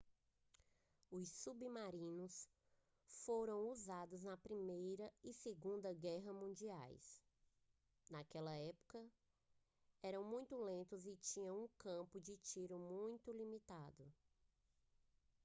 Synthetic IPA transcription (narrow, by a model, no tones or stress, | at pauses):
ʊssubimaɾĩnʊs | foɾɐ̃w̃uzad̪ʊznɐpɾimejɾɐɪseɡũnd̪ɐɡɛɦɐmũd͡ʒia̰js | nakɛlɐɛpʊ̥kɐ | ɛɾɐ̃w̃mũj̃t̪ʊlẽnt̪ʊzɪt͡ʃĩɲɐ̃w̃ũkɐ̃pʊd͡ʒɪt͡ʃiɾʊmũj̃t̪ʊlimit̪ad̪ʊ